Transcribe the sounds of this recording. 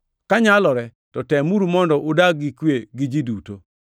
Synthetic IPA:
kaɲalɔɾɛ | tɔtɛmuɾumɔndɔʔʊdaɡɪkweɡɪd͡ʒiduto

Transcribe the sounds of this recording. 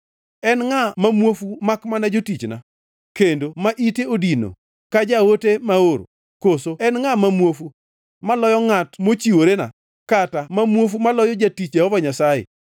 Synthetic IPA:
ɛnŋamamwofumakmanad͡ʒotit͡ʃna̰ | kendomaʔiteodino̰ | kad͡ʒawotemaoɾ̰ | kosoɛnŋamamwofu | malɔjɔŋatmot͡ʃiwoɾena̰ | katamamwof̬umalɔjɔd͡ʒatit͡ʃjahɔvaɲasajḛ

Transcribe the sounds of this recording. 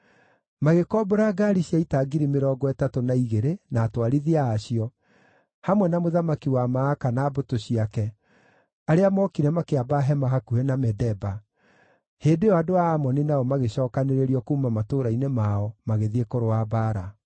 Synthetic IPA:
maɣekɔboɾaːɡaɾiɕiaitaɡiɾimeɾɔːɡɔɛtatonaiɣeɾenaːtwaɾiðiaːɕiɔ | hamwɛnamoðamakiwamaːkanaːbotoɕiakɛ | aɾeamɔkiɾɛmakeabaɦɛmaɦakuɛnamɛdɛba | heːdeɔadoaːmɔninaɔmaɣeɕɔːkaneɾeɾiɔkuːmamatoːɾainemaɔmaɣeðiekoɾoabaːɾa

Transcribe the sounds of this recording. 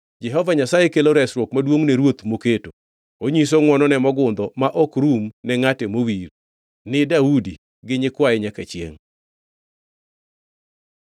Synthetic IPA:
d͡ʒɛɦɔvaɲasajekeloɾɛsɾwokmadwoŋneɾwot̪moketo | oɲis̬oŋwɔnɔnɛmɔɡʊnd̪ɔmaʔɔkɾumnɛŋatemowiɾ | nɪdaudi | ɡɪɲɪkwaɛɲakat͡ʃjḛŋ

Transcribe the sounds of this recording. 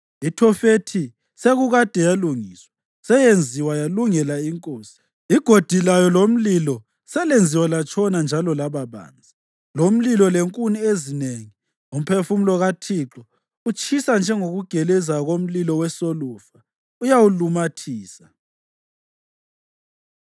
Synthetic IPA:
itʰɔfetʰi | seɣuɣad̥ʱɛjaluŋiswa | sɛjend͡zʱiwajaluŋɛlaiŋkʼoːsi̥ | iɡ̥ʱod̥ʱilajɔlom̩lilɔ | sɛlend͡zʱiwalat͡ʃʰʼɔnand͡ʒʱalɔlaβaβa̰ːnd͡zʱa | lom̩lilɔleŋkʼuniezineŋi | um̩pʰefum̩lɔɣatʰiːǁɔ | ut͡ʃʰʼisand͡ʒʱɛŋoɣuɡ̥ʱɛlɛzaɣom̩lilɔwɛsolufa | ujawulumatʰiːsa

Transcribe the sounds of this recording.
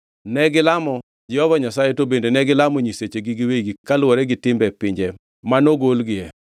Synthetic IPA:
nɛɡɪlamɔ | d͡ʒɪɔvaɲasajetobendenɛɡɪlamɔɲiset͡ʃeɡiɡiweiɡikalwɔɾɛɡɪtɪmbɛpɪɲd͡ʒɛ | manoɡolɡɪjɛ

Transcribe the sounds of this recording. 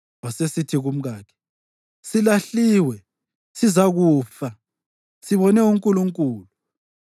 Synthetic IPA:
ɔsesitʰiɣum̩ɣaːkʰɛ̥ | silaɬiːwɛ | sizaɣuːfa | siβɔnɛuŋkʼuluŋkʼuːlu

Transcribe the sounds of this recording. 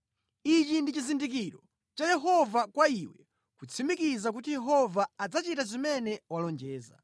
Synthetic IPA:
it͡ʃindit͡ʃizindik̬iɾɔ | t͡ʃajɛɦɔvakwaiwɛ | kut͡sʰimikizak̬ut̬ijɛɦɔvaːd͡zat͡ʃitazimɛnɛwalɔnd͡ʒɛːza̰

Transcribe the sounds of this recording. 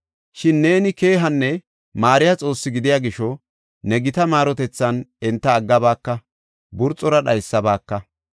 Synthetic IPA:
ʃɪnːe̞ːnɪke̞ːɦɐnːɛ | maːɾɪjɐt͡sʼo̞ːsːɪɡɪd̪ɪjaːɡɪʃɔ | nɛɡɪt̪ɐmaːɾɔt̪ɛt͡sːɐnɛnt̪ːɐːɡːɐbaːkːɐ | bʊɾt͡sʼːɔɾɐɗɐjsːɐbaːkːɐ

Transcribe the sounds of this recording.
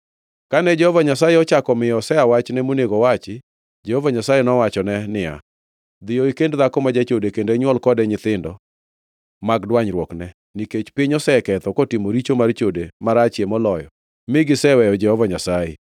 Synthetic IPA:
kanɛd͡ʒɛhɔvaɲasajeɔt͡ʃakɔmɪjɔsɛawat͡ʃnɛmoneɡɔwat͡ʃɪ | d͡ʒɛhovaɲasajenɔwat͡ʃɔnɛnɪa̰ | d̪ɪjɔikendd̪akɔmad͡ʒat͡ʃodekendeɲwɔlkɔdɛɲɪt̪ɪndɔ | maɡdwaɲɾwɔknɛ | niket͡ʃpɪɲɔsɛkɛt̪ɔkotimoɾit͡ʃomart͡ʃodemaɾat͡ʃjemɔlɔjɔ | mɪɡɪsɛwɛjɔd͡ʒɛhɔvaɲasajḛ

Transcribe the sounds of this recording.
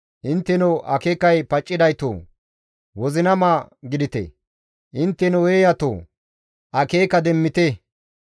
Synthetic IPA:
ʔɪnt̪ːɛnoʔɐkeːkːɐjpɐt͡ʃʼːɪd̪ɐjt̪o̰ː | wɔzɪnɐmaːɡɪd̪ɪt̪ɛ̰ | ʔɪnt̪ːɛnɔweːjɐt̪o̰ː | ʔɐkeːkːɐd̪ɛmːɪt̪e

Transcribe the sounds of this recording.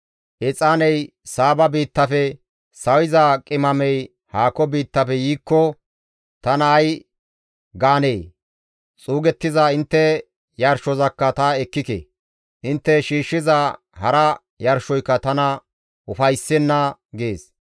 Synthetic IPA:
ʔɛt͡sʼaːnɛj | saːbɐbiːt̪ːɐfɛ | sɐwɪzɐkʼɪmɐmɛj | haːkɔbiːt̪ːɐfɛjiːkːɔ | t̪ɐnɐːj | ɡaːnej | t͡sʼuːɡɛt̪ːɪzaɪnt̪ːɛ | jɐɾʃɔzɐkːɐt̪ɐɛkːɪkḛ | ʔɪnt̪ːɛʃiːʃːɪza | hɐɾɐ | jɐɾʃɔjkːɐt̪ɐnɐ | ʔʊfɐjsːɛnːɐɡeːs

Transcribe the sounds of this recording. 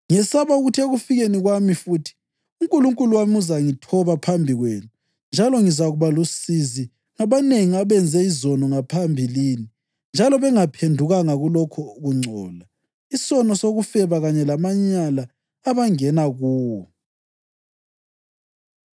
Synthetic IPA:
ŋɛsaβauɣutʰeɣufiɣeniɣwamifutʰi̥ | uŋkʼuluŋkʼuluwamuzaŋitʰɔβapʰambʱiɣwenu | nd͡ʒʱalɔŋizaɣuβalosizi | ŋaβaneŋiaβɛnd͡zʱɛizɔnɔŋapʰambʱilini | nd͡ʒʱalɔβɛŋapʰendʱuɣaŋaɣulɔkʰɔuɣuŋ͡ǀʱɔːla | isɔnɔsoɣufɛβaɣaɲɛlamaɲalaː | βaŋɛnaɣuː

